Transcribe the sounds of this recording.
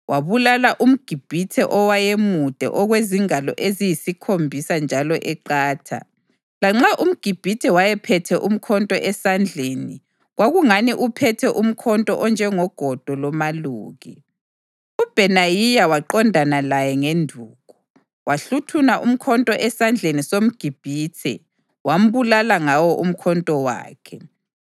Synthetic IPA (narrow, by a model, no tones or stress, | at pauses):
wʔaβulalaʔum̩ɡ̥ʱib̥ʱitʰɛʔɔwajemud̥ʱɛ̰ʔɔɣweziŋalɔ̰ʔezijisikʰombʱisand͡ʒʱalɔʔɛǃaːtʰa̰ | laŋ͡ǁaʔum̩ɡ̥ʱib̥ʱitʰɛwajɛpʰɛtʰɛʔum̩kʰɔntʼɔʔɛsand͡ɮʱeːni | ɣwaɣuŋaniʔupʰɛtʰɛʔum̩kʰɔntʼɔʔɔnd͡ʒʱɛŋɔɡ̥ʱɔd̥ʱɔlɔmaluːɣi | ub̥ʱɛnajijawaǃɔndʱanalajɛŋendʱuːɣu | waɬutʰunaʔum̩kʰɔntʼɔʔɛsand͡ɮʱenisom̩ɡ̥ʱib̥ʱiːtʰɛ̰ | wam̩βulalaŋawɔʔum̩kʰɔntʼɔwa̰ːkʰɛ